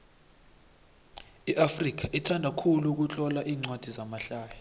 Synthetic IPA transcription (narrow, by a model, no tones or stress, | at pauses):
iʔafrik̬aʔitʰandʱakʰuluk̬ut͡ɬʼɔlaʔiːŋ͡ǀwad̥ʱizamaɬaːja